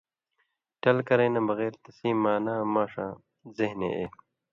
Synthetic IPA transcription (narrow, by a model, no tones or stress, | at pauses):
ʈɐlkɐɾeːnɐ̃bɐɣeːɾt̪ɐsĩːmːaːnaːmaːʂã̰ː | zehnḛʔḛː